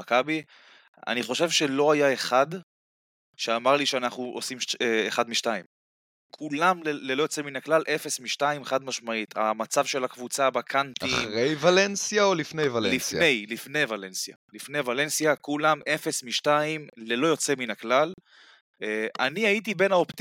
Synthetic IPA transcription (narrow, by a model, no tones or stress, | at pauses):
makabi | a̰niχo̞ʃe̞vʃe̞lo̞ajae̞χad | ʃeamaʁliʃeanaχnuʔo̰simʃeeχad̪miʃtaim | kʰulamlelelo̞jot͡seminaklalʔe̞fe̞smiʃtaimeχad̪maʃmaitʰa̰mat͡savʃelakvut͡sabakʰant̪iχʁejvalensjaolifnejvallifnejlifne̞jvale̞nsja̰lifnejvale̞nsjakulamʔe̞fe̞smiʃtaimle̞lo̞jo̞t͡se̞minaklal | ʔa̰nihait̬ibe̞naopt̪